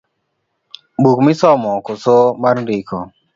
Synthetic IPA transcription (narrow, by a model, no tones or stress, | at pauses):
bukmisɔmɔkosomaɾdikʰɔ